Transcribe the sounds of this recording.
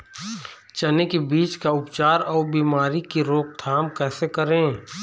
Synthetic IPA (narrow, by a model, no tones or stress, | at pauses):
t͡ʃɐnekebiːt͡ʃkaʊpt͡ʃaːɾɔːɾbiːmaːɾikiɾoːk̚t̪ʰaːmkɛːsekɐɾẽː